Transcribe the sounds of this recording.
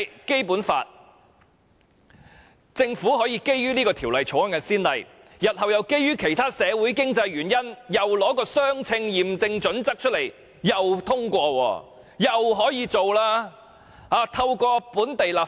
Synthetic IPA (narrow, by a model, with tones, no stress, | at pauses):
ke˥jpuː˨˥nfa̰ː˧t̚ | t͡sɪ˧ŋfuː˨˥hɔː˨˥jiː˧ke˥jɥyː˥niː˥kɔː˧t̪ʰi˨˩wlɐ˨jt͡ʃʰo˨˥ɐ˥ŋkɐ˧siː˥nlɐ˨j | jɐ˨t̚hɐ˨wjɐ˨wke˥jːyː˥kʰe˨˩jt̪ʰaː˥sɛː˨˧wuː˨˥jkɪ˥ŋt͡sɐ˧jɥyː˨˩njɐ˥njɐ˨wlɔː˨˥kɔː˧sœː˥ŋt͡sʰɪ˧ŋjiː˨˩mt͡sɪ˧ŋt͡ʃɵ˨˥nt͡sɐ˥k̚t͡ʃʰt̚le˨˩j | jɐ˨wt̪ʰʊ˥ŋkʷɔː˧wɔ̰ː˧˩ | jɐ˨wɦɔː˨˥jiː˨˧t͡so˨wlaː˥ | aː˨˧t̪ʰɐ˧wkɔː˧puː˨˥nt̪e˨jlaː˨˩